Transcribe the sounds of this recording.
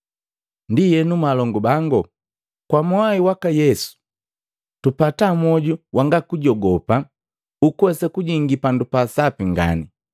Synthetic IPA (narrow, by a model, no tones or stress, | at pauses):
ndijɛnumalɔŋɡubaŋɡɔ | kwamwaiwakajɛsu̥ | tupatamɔɟuwʔaŋɡakuɟɔɡɔpa | ukuwɛsakuɟiŋɡipandupasapiŋɡa̰ni